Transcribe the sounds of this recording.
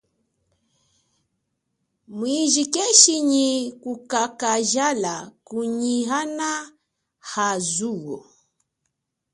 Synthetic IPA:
mwiʒikɛʃiɲikukakaʒalakuɲiɦana | hazuwɔ̰

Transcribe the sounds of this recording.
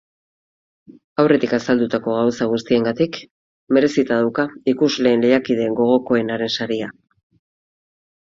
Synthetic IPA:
awre̞t̪ikasald̪ut̪ako̞ɣ̞awsaɣ̞ust̪ie̞ŋɡat̪ik | me̞ɾe̞sit̪aðawkaikuzle̞ːnle̞jakið̞e̞ːŋɡo̞ɣ̞o̞ko̞e̞naɾe̞nsaɾia

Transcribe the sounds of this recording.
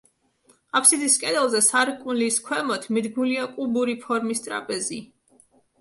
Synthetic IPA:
apʰsid̪iskʼɛd̪ɛlˠzɛsaɾkʼunliskʰwɛmɔt̪ʰmid̪ɡnuliakʼubuɾipʰɔɾmist̪ʼɾa̰pʼɛzi

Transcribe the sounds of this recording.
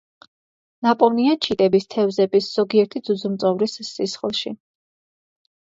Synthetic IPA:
napʼɔniat͡ʃʰit̪ʼɛbist̪ʰɛvzɛbisz̥ɔɡiɛɾt̪ʰid̪z̥ud̪zumt̪sʼɔvɾisːisχlˠʃi

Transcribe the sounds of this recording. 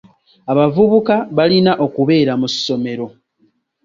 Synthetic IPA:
aβavuβukaβalinaʔo̞kuβe̞ːɾamusːo̞me̞ɾo̞

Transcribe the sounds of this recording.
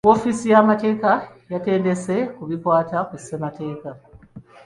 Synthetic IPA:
o̞fisijamate̞ːkajate̞ːnde̞se̞kuβikwaːtakusemate̞ːka

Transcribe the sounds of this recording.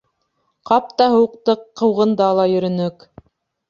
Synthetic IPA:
qɑp̚t̪ɑɦɤ̆wɤ̆q̚t̪ɤqːɤ̆wʁɤ̆nd̪ɑlˠɑjɵ̆ɾɵ̆nɵk

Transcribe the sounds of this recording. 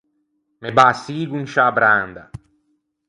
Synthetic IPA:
mebaːsiːɡunʃabɾand̪a

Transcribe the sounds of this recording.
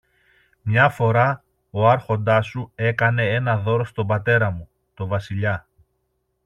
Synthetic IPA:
mɲɐfo̞ɾɐ | o̞ɐɾxo̞nd̪ɐsue̞kɐne̞e̞nɐðo̞ɾo̞st̪o̞bɐt̪e̞ɾɐmu | t̪o̞vɐsiʎɐ

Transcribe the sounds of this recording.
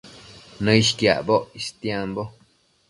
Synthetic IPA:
nə̃ʃkja̰ʔboʔist̪jembo

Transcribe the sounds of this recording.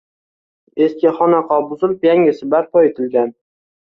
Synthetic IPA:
e̞skʲɪχɒnaqɒbʊzɪlɪpjaŋʲɪsɪbap̚pɒjet̪ʰɪlɡʲan

